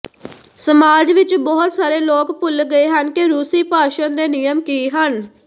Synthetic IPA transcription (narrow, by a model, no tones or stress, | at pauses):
səmaːd͡ʒʋɪt͡ʃbɔːt̪saːɾeːloːkpʊlɡəeːɦənkeɾuːsiːpaːʃənd̪eːnɪjəmkiːɦən